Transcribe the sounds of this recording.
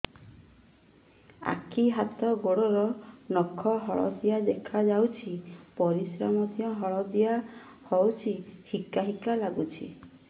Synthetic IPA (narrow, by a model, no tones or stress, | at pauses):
a̰kʰiɦat̪ɔɡoɽɔɾɔnɔkʰɔɦɔɭɔ̰d̪iad̪ekʰad͡ʒawt͡ʃʰipɔɾisɾamɔt̪iɔɦɔɭɔd̪ija | hɔwt͡ʃʰihikaɦikalaɡut͡ʃʰḭ